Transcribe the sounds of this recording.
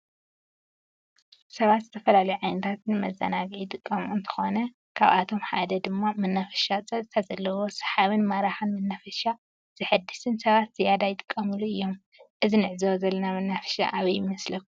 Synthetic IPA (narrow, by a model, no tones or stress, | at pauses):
sɐβat̪zɨt̪ʰɐfɐlalɐjuʕajnɨt̪ʰat̪nɨmɐzːɐ̰naɡijt̪ʼɨkʼːɐmuɨnt̪ʰɨ̥xo̞nɐ | kʰa̰βʔat̪ʰo̞mħa̰d̪ɐd̪ɨmːamɨnːafɐ̥ʃat͡sʼɐzɨt̪ʰazɐlːɐwo̞sɐ̥ħaβɨnmaɾaħɨnmɨnːafɐʃa | z̥ɨħɨd̪ːɨst̪ʰɨnsɐβat̪z̥ɨjad̪ajɪt̪ʼɨ̥kʼːɐmɨluʔɨjːo̞m | ʔɨzinɨʕzɐwzɐlːɐnamɨnːafɐ̥ʃa̰ʔaβɐjɪmɐslɐku